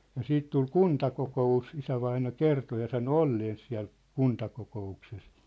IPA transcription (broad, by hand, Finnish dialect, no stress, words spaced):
jɑ siːt tul kuntɑkokous isæʋɑinɑ kerto jɑ sɑno olːeːns siæ̝l kuntɑkokoukses